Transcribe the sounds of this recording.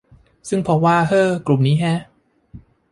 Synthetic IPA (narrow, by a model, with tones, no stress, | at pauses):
sɯ˥˩ŋpʰɔ˧˥waː˧˩hɤː˥˩klu˨˩mniː˦˥ɦɛ˦˥